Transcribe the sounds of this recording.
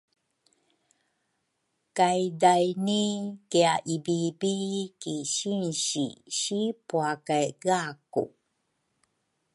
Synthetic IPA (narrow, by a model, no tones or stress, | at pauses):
kajdajnikeaʔibibikiɕinɕḭɕipuakajɣakṵ